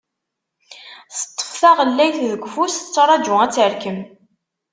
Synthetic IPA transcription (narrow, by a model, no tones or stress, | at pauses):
θə̥t̪ˤːə̥fθæʁəlːæjθðəɡʷfust͡sːɾˤɑd͡ʒʊæt͡sːəɾkəm